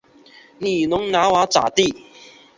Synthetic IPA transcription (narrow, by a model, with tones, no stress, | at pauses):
ni˨˩nʊ˨˦ŋna˨˦wa˨˦t͡sa̰˨t̪i˥˨